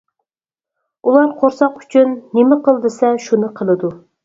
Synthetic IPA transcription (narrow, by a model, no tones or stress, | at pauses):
ulˠɑɾqʰoɾsɑqy̥t͡ʃʰynːɪmɪqəlˠd̪ɨsɛʃunɨqʰəlˠɨd̪u